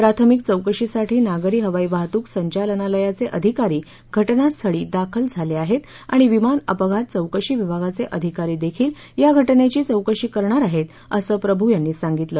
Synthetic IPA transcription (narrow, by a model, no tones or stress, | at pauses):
pɾat̪ʰəmik̚t͡səwkəɕisaʈʰiːnaɡəɾiːɦəʋaiʋaɦt̪uːksəɲt͡ɕalənaləjat͡seʔəd̪ʱikaɾiː | ɡʱəʈnast̪ʰəɭiːd̪akʰəld͡zʱaleaɦet̪ | aɽ̃iʋimanə̰pəɡʱat̪̚t͡səwkəɕiːʋibʱaɡat͡seʔəd̪ʱikaɾiːd̪ekʰiːl | jaɡʱəʈnet͡ɕiːt͡səwkəɕiːkəɾɳaɾaɦet̪ | əsəːpɾəbʱujanːiːsãŋɡit̪ləː